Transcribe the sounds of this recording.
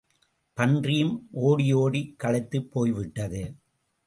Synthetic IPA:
pɐndrɪjɯmʔoːɽɪjoːɽikːɐlɐɪt̪ːɯpːoːjʋɪʈːɐðɯ

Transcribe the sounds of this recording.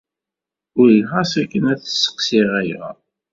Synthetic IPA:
ʊɾlχɑsækːənæθə̥sːə̥qsiʁæjæ̰

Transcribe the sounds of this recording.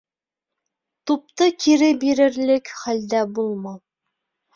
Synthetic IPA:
t̪up̚t̪ɤkiɾɘbiɾɘ̆ɾlɘkχæld̪æbulˠmɑ

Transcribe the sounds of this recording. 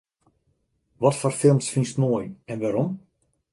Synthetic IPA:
ʋɔtfɔrfɪlˠmsfinstnoəjɛnʋaɾɔm

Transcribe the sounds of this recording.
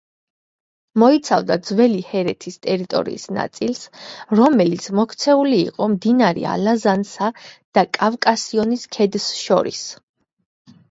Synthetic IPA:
mɔit̪sʰavd̪ad̪zwɛlihɛɾɛt̪ʰist̪ʼɛɾit̪ʼɔ̰ɾḭisna̰t̪sʼilsɾɔmɛlit̪sʰmɔkʰt̪sʰɛulḭːqʼɔmd̪inaɾḭa̰lazansad̪̥akʼavkʼasiɔniskʰɛd̪sʃɔ̰ɾḭs

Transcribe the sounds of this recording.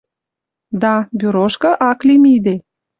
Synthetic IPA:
d̪ɑbyɾoʃkɤ̆ʔɑklimid̪e

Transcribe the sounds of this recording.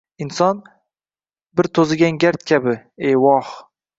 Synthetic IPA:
ɪnsɒn | bɪɾt̪ʰozɪɡʲanɡʲaɾt̪̚kʲʰabɪewɒh

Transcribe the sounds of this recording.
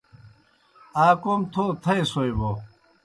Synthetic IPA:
aːkomt̪ʰot̪ʰɐisojbo

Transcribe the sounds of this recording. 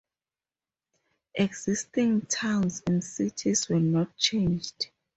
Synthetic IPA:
ʔɛɡz̥istĩŋtʰãwnsɛ̃nsitʰiswɛnɔt̚t͡ʃʰẽnd͡ʒd̥

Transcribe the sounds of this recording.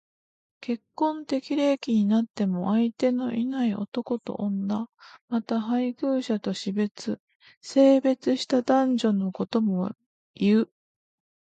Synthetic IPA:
ke̞kːõ̞nt̪e̞kʲiɾe̞ːkʲiɲ̟inat̪ːe̞mo̞ʔait̪e̞no̞ʔinaio̞̰t̪o̞ko̞t̪o̞̰ʔõnd̪amat̪aɦaiɡɯ̟ːɕat̪o̞ɕibe̞t͡sɨ | se̞ːbe̞t͡sɨɕi̥t̪ad̪ãɲ̟d͡ʑo̞no̞ko̞t̪o̞mo̞ | iɯ

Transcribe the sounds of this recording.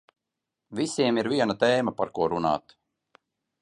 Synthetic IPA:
visiɛmiɾviɛnat̪eːmapaɾkuɔɾuna̰ːt̪

